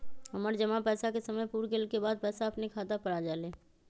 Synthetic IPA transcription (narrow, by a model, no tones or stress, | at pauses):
ɦɐməɾd͡ʒəmapɛːsakesɐməjpuːɾɡelkebaːd̪̚pɛːsaɐpnekʰaːt̪apɐɽad͡ʒaːleː